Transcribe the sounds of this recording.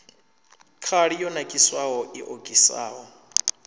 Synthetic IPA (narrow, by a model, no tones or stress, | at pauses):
kʰaɺijɔnakʼiswaɦɔʔiʔokʼisa̰ːɦɔ